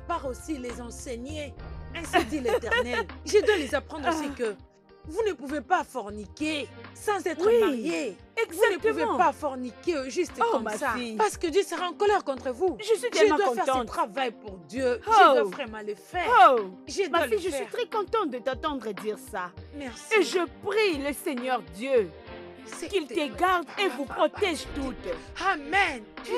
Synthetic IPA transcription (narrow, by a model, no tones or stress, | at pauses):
paʁosilezɑ̃sɛɲeɛ̃sid̪ilet̪ɛʁnɛlʒəd̪walezapχɑ̃d̪ʁosikə | vunəpuvepafɔʁnikʲesɑ̃zɛt̪χəmaʁje | ɛzvuanəpuvepafɔʁnikeʒyst̪kɔmsaipaʁsə̥kəd̪jøsəʁaɑ̃kɔlɛʁkɔ̃t̪χəvuʒəsiʒɛəm̃dwãfɛʁ̃ɛt̪χavajpuʁd̪jøʒəəfʁɛmãləfɛoʒəd̪mwaalfiʒəsɛɥit̪χɛkɔ̃t̪ɑ̃t̪d̪ət̪ãt̪ɑ̃d̪ʁed̪iʁsamɛʁseʒəpʁiləsɛɲœʁd̪jø | sɛkilt̪əɡaʁd̪evupχɔt̪ɛʒt̪ut̪amɛn